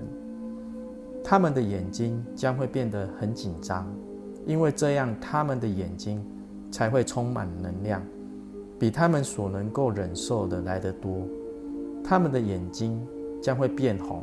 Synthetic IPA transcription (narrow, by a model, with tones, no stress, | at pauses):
n | t̪ʰa˦mə˨nd̪ə˨jɛ˨˩nt͡ɕi˦ŋt͡ɕjɑ˥ŋxwe˥˧ɪpjɛ˥˩nd̪ə˩xə˨˧˦nt͡ɕi˨˩nʈ͡ʂɑ˦ŋ | i˦˥nwe˥˧ɪʈ͡ʂɤ˥˧jɑ˥˩ŋt̪ʰa˦mə˨nd̪ə˨jɛ˨˩nt͡ɕi˦˥ŋ | t͡sʰa˧˦ɪxwe˥˩ɪt͡sʰo˦˥ŋma̰˨˩nnə˧˥ŋljɑ˥˨˩ŋ | pi˨˩t̪ʰa˦mə˨nswɔ˨˩nə˧˦ŋko˥˩ʊɻə˨˩nʂo˥˩ʊd̪ə˨la˧˥ɪd̪ə˨t̪wɔ˦ | t̪ʰa˦mə˨nd̪ə˨jɛ˨˩nt͡ɕi˦ŋt͡ɕjɑ˥ŋxwe˥˧ɪpjɛ˥˩nxɑ̰˨˩˦